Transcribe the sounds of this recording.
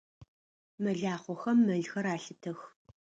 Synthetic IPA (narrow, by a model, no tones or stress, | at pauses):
mɐɮaːχʷɔxɐmːɐɮxɐɾaːɬɨtʰɐx